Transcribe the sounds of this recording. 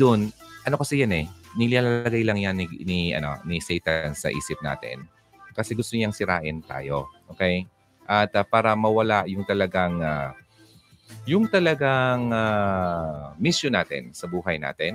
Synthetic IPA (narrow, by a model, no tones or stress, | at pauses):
d̪onʔɐno̞kɐsɛjanɛnɪlɪaːlɐlɐɡajlɐŋjanɪnɪʔɐ̰no̞̰nɪsɛjt̪ansɐ̰ʔḭːsɪp̚na̰ːt̪ɪ̰n | kɐsɛɡʊst̪oɲɐŋsɪɾa̰ːʔɪnt̪a̰ːjo̞ʔoːkɛj | ʔɐt̪apaːɾɐmɐwɐlaʔjʊŋt̪ɐlɐɡaŋa | jʊŋt̪ɐlɐɡaŋa | misjonaːt̪ɪ̰nsɐbuːɦɐjna̰ːt̪ɛn